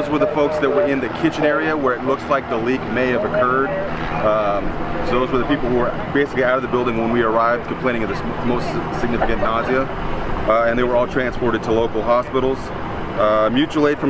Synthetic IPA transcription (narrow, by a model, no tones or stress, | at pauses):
ʊzwə˞ðəfoʊksðɨt̚wə˞ɪ̃nðɨkʰɪt͡ʃɨ̃nɛɹiɨwə˞ɨtˡlʊkslaɪk̚ðəlikmeɪɨvɨkʰɜ˞d̥̚ | soʊðoʊzwə˞ðɨpipl̩ˠhuə˞ | b̥eɪsɨkliaʊɾʌvðɨbɪlˠdɪ̃ŋwə̃nwiə˞aɪvd̥̚kʰmpʰl̥ẽɪ̃ɪ̃ŋʌvðɨsmoʊstsɨɡ̚nɪfɨkɨ̃nʔnɑziɨ | ɨ̃nðeɪwə˞ɔlˠtʰɹ̥æ̃nspɔɹɾɨd̚tʰəloʊkl̩ˠɦɑspɪɾl̩ˠz̥ | mjʉt͡ʃəleɪtfɹʌ̃